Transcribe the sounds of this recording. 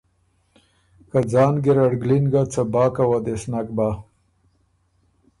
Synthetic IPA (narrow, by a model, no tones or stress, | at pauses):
kad͡zɑːnɡeɾaɽɡlinɡat͡sabɑːkawad̪esnakba